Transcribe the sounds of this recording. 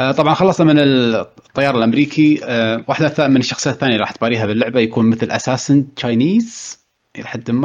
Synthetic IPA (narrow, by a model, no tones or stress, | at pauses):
ʔt̪ˤɑbʕɑnxɑlːˤɑsˤnamɪnɪt̪ˤːɑjːɑːɾˤɪlʔamɾiːkʰiwaːħd̪aθaːʔmɪnɪʃːɑxsˤɨjaθːaːnjaɾˤɑːħt̪̚baːɾiːɦabɪlːʊʕbajakuːnmɪθlʔa̰saːsɪnt͡ʃajniːz | ɾɑ̰ːħ̚ɪmːa